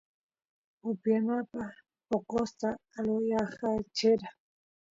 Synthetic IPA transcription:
ʊpjanapa | poqost̪aːlojaχat͡ʃeɾa

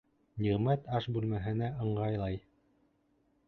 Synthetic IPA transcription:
niʁmæt̪ɑʃbʉlmæɦɘ̆næʔɤ̆ɴɢɑjlˠɑj

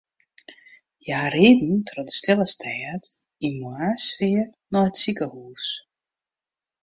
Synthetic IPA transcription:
jaːreːdn̩trɔdə̥stɛləstʰɛːət | imuasfɪːr | nɔhətsikəhuːs

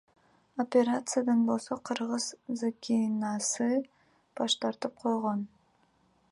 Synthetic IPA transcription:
opʲeɾat̪sɨjad̪ɑnbo̞lˠso̞qʰɯɾʁɯz̥zakʲʰinɑsɨ | b̥ɑʃt̪ɑɾt̪ɯp̚qʰo̞jʁon

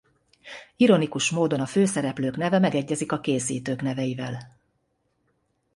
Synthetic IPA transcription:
iɾo̞nikuʃmoːd̪o̞nɒføːsɛɾɛpløːkn̪ɛvɛmɛɡɛɟːɛzikɒkeːsiːt̪øːkn̪ɛvɛjivɛl

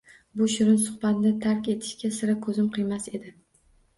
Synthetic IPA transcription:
bʊʃʊɾɪnsʊχbat̪ɪnɪt̪ʰaɾkʲe̞t̪ʰɪ̥ʃkʲasɪɾakʰɵzɪmqʰɨjmase̞d̪ɪ

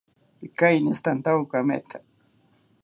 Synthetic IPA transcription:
ikajnist̪ant̪awkamḛt̪ʰa

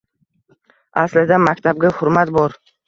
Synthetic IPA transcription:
aslɪd̪amakʲt̪ʰab̚ɡʲahʊɾmat̪bɒɾ

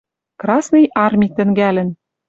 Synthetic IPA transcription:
krɑsnɨ̆jʔɑrmʲit̪ɘ̆ŋɡælʲɘ̆n

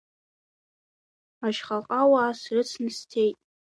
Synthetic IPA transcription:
aʃχaqʼawaːsrɨt͡sʰnɨstʰejtʼ

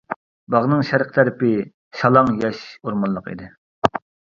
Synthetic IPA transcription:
bɑʁnɨŋʃæɾqt̪ʰæɾɪpɪ | ʃɑlˠɑŋjɛʃoɾmɑnlˠəqḭd̪ɪ

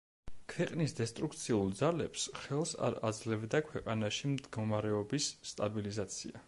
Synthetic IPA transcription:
kʰwɛqʼnisd̪ɛst̪ʼɾuk̚t̪sʰiulˠd̪zalɛpsχɛlˠsa̰ɾa̰d̪zlɛvd̪akʰwɛqʼanaʃimd̪ɡɔmaɾɛɔbisːt̪ʼabilizat̪sʰḭa

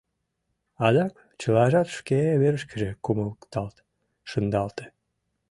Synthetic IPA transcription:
ɑd̪ɑk | t͡ɕəlɑʒɑt̪ʃkeβeɾəʃkə̆ʒekuməlkt̪ɑlt̪ | ʃənd̪ɑlt̪e̥

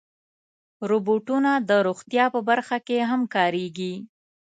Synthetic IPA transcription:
ɾoboʈunad̪əɾoxt̪jɑpəbaɾxakeɦamkɑɾeɡi

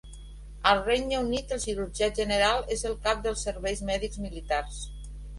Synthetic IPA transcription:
əlˠrejnəunit̪əlˠʃiɾuɾʒiaʒənəɾalˠezəlˠkap̚d̪əlˠsːəɾβɛjzmɛðikzmilit̪ars

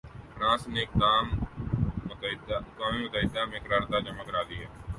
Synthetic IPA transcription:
pɾãːsneːk̚d̪aːm | kaːmĩːmʊt̪aːɦɪd̪aːmẽːkəɾaːɾt̪aːd͡ʒəmaːkəɾaːd̪iːɦɛː

